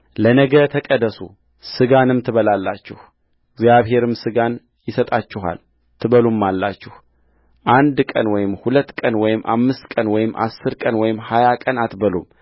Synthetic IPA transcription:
lənəɡət̪ʰəkʼəd̪əsṵ | sɨɡanɨmt̪ʰɨβəlalːat͡ʃːɛh | ɡzjaβɦe̞ɾɨmsɨɡan | jɪsət̪ʼat͡ʃːɪɦa̰l | t̪ʰɨβəlumːalːat͡ʃːɪh | ʔand̪kʼənwɔjɪmhulət̪ːkʼənwɔjɪmʔa̰mːɨst̪kʼənwɔjɪmʔa̰sːɨɾkʼənwɔjɪmhajakʼənat̪bəlum

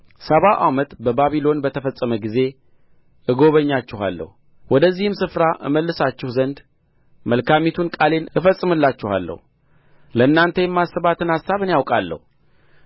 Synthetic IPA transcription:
səβaʔamət̪bəbaβilo̞nbət̪ʰəfəsʼːəməɡize̞ | ʔɨɡo̞βəɲːat͡ʃːɪha̰lːə̰hu | wɔd̪əzːihɨmsɨfɾaʔɨ̰məlːɨsat͡ʃːɪhzənd̪ | məlkʰamit̪ʰunkʼale̞nɨfəsʼːɨmɨlːat͡ʃːɪha̰lːə̰h | ləɨnːant̪ʰəjɛmːasːəβat̪ʰɨnasːaβɨnjawkʼalːə̰hu

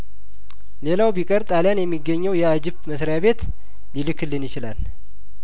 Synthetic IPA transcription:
le̞lawbikʼəɾt̪ʼaljanjɛmːiɡːəɲːɛwjɛad͡ʒɪbməsɾjaβe̞t̪ | lilɨkʰːɨlːɨnjɪt͡ʃɪlal

